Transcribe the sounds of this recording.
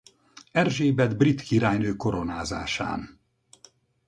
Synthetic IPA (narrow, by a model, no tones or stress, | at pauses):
ɛrʒeːbɛd̪brit̪kiɾaːjnøːko̞ɾo̞naːza̰ːʃa̰ːn